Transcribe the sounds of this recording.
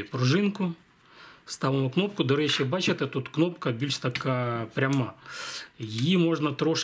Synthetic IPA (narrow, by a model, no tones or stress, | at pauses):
pɾʊʐɪnkʊ | st̪ɑʋɪmʊknɔp̚kʊd̪ɐɾɛt͡ɕɛbɑt͡ʃɪt̪ɪt̪ut̪knɔpkɐbʲilʲʃt̪ɐkapɾʲɐmɑ | jɪjimoʐnɐt̪ɾɔʂ